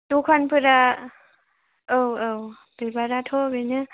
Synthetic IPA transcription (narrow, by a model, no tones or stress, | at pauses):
t̪ukʰɔnpʰɯɾa | ɯwɯw | bebaɾat̪ʰobenɯ